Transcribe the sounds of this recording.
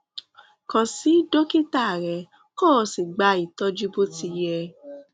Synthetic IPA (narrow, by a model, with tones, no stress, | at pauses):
kɔ̃˨si˨˦do˦ki˦ta˦˨ɾɛ˨˧˦ | koː˦˨si˨ɡ͡ba˧˦i˨tɔ˧˦d͡ʒu˦bo˦ti˧jɛ˧